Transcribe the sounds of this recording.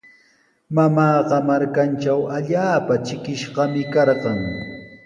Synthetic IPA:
mamɑːɢɑmaɾkant͡ʃawaʎaːpat͡ʃɪkɪʃɢɑmɪkɑɾɢɑŋ

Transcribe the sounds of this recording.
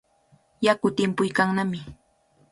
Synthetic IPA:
jakʊt̪ɪmpʊjkaŋnamɪ

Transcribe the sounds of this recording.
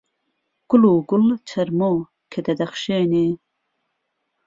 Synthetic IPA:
ɡ̥uluːɡult͡ɕʰɐɾmo | kʰed̪ɐd̪ɐχʃeːni

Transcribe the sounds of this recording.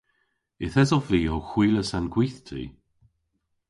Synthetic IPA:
ɪθɛzɔviːɔxwiːləsanɡwiːθtʰḭː

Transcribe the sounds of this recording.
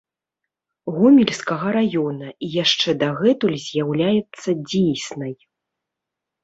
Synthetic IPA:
ɣɔmʲilʲskɐɣɐɾajɔnɐijaʂt͡ʂɛd̪aɣɛt̪ulʲzʲjawlʲajɛt̪sːɐd͡zʲijsʲnɐj

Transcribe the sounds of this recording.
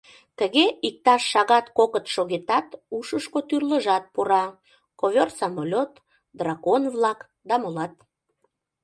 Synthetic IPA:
t̪əɣeik̚t̪ɑʃːɑɣɑt̪kokət̪ʃoɣet̪ɑt̪uʃəʃkot̪yrləʒɑt̪̚puɾɑ | koβʲersɑmolʲot̪ | d̪rɑɣonvlɑk | d̪ɑmolɑt̪̚

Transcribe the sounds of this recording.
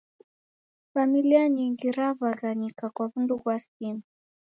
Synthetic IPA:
familiaɲiŋɡiɾavazaɲikakwavundukwasimi

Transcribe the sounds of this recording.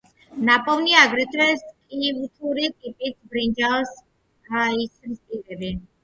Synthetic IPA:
napʼɔvniaɡɾɛt̪ʰɛskʼivt̪ʰuɾit̪ʼipʼisʰbɾind͡ʒas | aisɾst̪ʼit̪ʼɛbi

